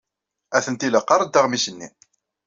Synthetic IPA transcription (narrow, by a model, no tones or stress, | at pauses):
æθənt̪iləqːɑɾˤəd̪ːaʁmisənːḭ